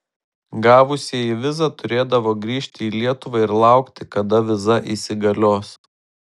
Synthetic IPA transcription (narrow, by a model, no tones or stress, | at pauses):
ɡɑːʋʊsʲiiːʋʲɪzɐt̪ʊɾʲeːd̪ɐʋoːɡɾʲiːʃʲt̪ʲɪiːlʲiɛt̪ʊʋɐɪɾlˠɑˑʊkt̪ʲɪkɐd̪ɐʋʲɪzɐʔiːsʲɪɡɐlʲoːs